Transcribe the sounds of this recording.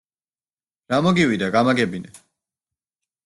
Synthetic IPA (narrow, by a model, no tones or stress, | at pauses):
ɾamɔɡiwid̪aɡamaɡɛbinɛ